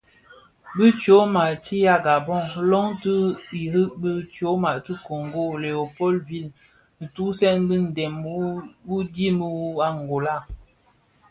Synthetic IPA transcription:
bə˦t͡ʃo˨˦ma˨ti˦ja˦ɡa˨bɔ˦˨ŋlɔ˦ŋtə˦i˨ɾi˦ʔbə˦t͡ʃo˨˦ma˨ti˦ko˨ŋɡo˦˨le˨o˨pɔ˦˨lvi˦˨l | n̩˨tu˦sɛ˦nbə˦n̩˨dɛ˨m˦bu˦di˦mə˦a˦ŋ˨ɡo˨la˦˨

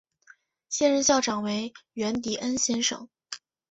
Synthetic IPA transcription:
ɕjɛ˥˧nɻə˥˧nɕjɑ˥˩ʊʈ͡ʂɑ˨˩ŋwe˧˥ɪɥɛ˧˥nt̪i˨˩ʔə˥nɕjɛ˥nʂɤ̰˨˩˦ŋ

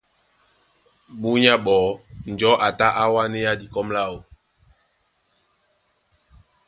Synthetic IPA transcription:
ɓu˦ɲa˦ɓɔ˨n̩˨d͡ʒɔ˨˦ʔa˨ta˦ʔa˦wa˦ne˦ja˦di˨kɔ˦mla˦o˨

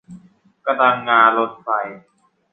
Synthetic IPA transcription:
ka˧˩la˧ŋːaː˧nlo˦˥t̪̚fa˧˩j

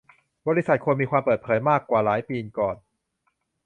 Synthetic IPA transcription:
bɔː˧ɾi˦˥sa˨˩kʰu˧nmiː˧kʰwaː˧mpɤː˨˩t̪̚pʰɤː˩˦jmaː˥˩kːwaː˨˩laː˩˦jpiː˧nkɔː˨˩n

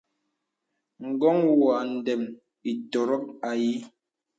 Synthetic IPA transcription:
ŋ̩˨ɡɔ˦ŋwa˨n̩˨dɛ˨m | i˨tɔ˨ɾɔ˦k̚a˨ji˦

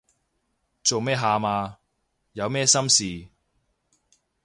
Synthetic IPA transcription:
t͡so˨wmɛː˥ɦaː˨˧maː˧ | jɐ˨˧wmɛː˥sɐ˥msiː˨

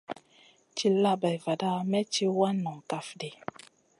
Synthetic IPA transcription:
t͡ʃi˦la˦ba˨jva˨da˦mɛ˦t͡ʃi˦wa˦nɔ˨ŋ˨ka˨fdi˨

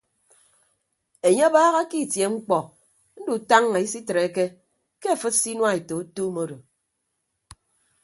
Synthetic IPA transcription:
e˨ɲe˦a˦baː˦ɣa˦ki˦˨tje˨ŋ͡m̩˦k͡pɔ˨ | n̩˦du˨ta˦ŋːa˨i˦si˦tɾe˨˦ke˦ | ke˦a˨fɨ˦t̚si˦nwa˦e˨to˨u˦tu˦mo˦do˨

